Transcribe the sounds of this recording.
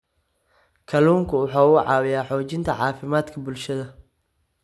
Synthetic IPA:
kʰɐluːŋkʰʊwʊħɑːʊʕɑːwɪjaːħɔːt͡ʃɪnt̪ʰɐʕɑːfɪmaːd̪kʰɐbʊlʃɐðɐ

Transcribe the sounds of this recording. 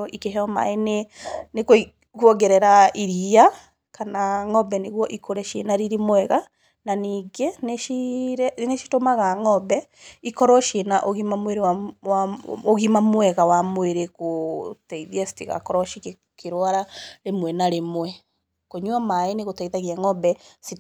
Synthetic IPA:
ʔikeɦɔma̰eneneko | ɣwɔɡɛɾɛɾaiɾia | kanaŋɔbɛneɣwɔʔikoɾɛʃḛnaɾiɾimwɛɣa | naniːɡeneiɾneʃi̥tomaɣaŋɔbɛ | ikɔɾɔʃenaʔoɣimamweɾewawaoɣimamwɛɣawamweɾekotɛiðiasi̥tiɣa̰kɔɾɔʃik | keɾwaɾaɾemwɛnaɾemwɛ | koɲwamaeneɣotaiðaɣiaŋɔbɛsi

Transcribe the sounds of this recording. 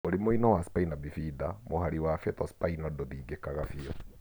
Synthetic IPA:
oɾemoinɔwaspainabifiðamohaɾiwafetɔspainɔdɔðiːɡekaɣafiɔ

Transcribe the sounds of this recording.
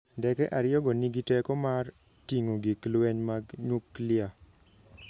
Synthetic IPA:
dɛkɛʔaɾɪɔɡɔniɡitɛkɔmar | tiŋoɡiklwɛɲmaɡɲuklɪa

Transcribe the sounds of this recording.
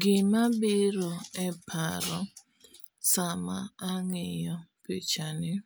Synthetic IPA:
ɡɪmabɪɾɔepʰaɾɔ | samaaŋɪjɔpet͡ʃanɪ

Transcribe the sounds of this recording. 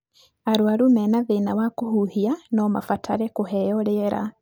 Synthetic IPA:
aɾwaɾumenaðenawakuhuhianoma̰fatʰaɾɛkuɦejoɾeɾa̰

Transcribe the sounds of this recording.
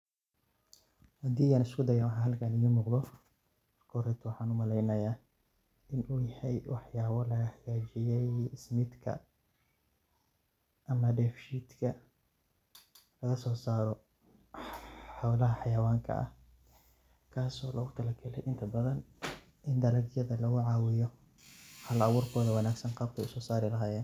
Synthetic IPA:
hɐd̪iːaːnɪskʰʊd̪ɐjaːwɑħɑɦɐlkʰaːnɪjiːmuːqðɔ | ɐrkʰɔːɾɛt̪ʰʊwɑħɑːnʊmɐlɛjnɐjaː | ɪnuːjɐhɛjwʔɑħjaːβɔlɐɣɐħaɣaːt͡ʃɪjɛjɪsmɪd̪kʰɐ̰ | ʔɐmɐɖɛːfʃiːd̪kʰɐ | lɐɣɐsɔːsaːɾɔ | ħawlɐɦɐħɑjɐwaːŋkʰɐ̰ʔɐ̰h | kʰaːsɔːlɔɣʊt̪ʰɐlɐkʰɛlɛjʔɪnt̪ʰɐbɐðɐn | ʔɪnd̪ɐlɐɡjɐðɐlɐɣʊʕɑːwɪjɔ | hɐlɐwʊːrkʰɔːðɐwɑnaːɡsɐnqɑːb̚kʰɛjʊsɔːsaːɾɪlɐɦaːjɛːn

